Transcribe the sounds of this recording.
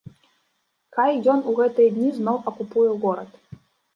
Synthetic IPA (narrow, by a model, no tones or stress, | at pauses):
kajjɔnuɣɛt̪ɨjɐd̪ʲnʲiznɔwɐkupujɛɣɔɾɐt̪